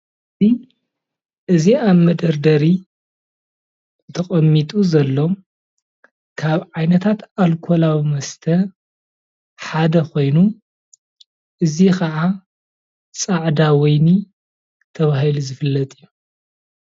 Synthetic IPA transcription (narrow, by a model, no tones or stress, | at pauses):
ɨzi | ʔɨziaβmɐd̪ɐɾd̪ɐɾi | t̪ʰɐχʼɐmːit̪ʼuzɐlːo̞ | kʰaβʕajnɐt̪ʰat̪alkʰo̞lawimɐst̪ʰɐ | ħad̪ɐko̞jnu | ʔɨzikʰɐʕa | t͡sʼaʕd̪awɔjni | t̪ʰɐβaɦiluzɨfɨlːɐt̪ʼɨjːu